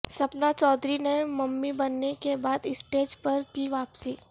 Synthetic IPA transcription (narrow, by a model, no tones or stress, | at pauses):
sɐpnat͡ʃɔːd̪ɾinemɐmːibɐnːekebaːd̪ɪsʈeːd͡ʒpɐɾkiʋaːpsiː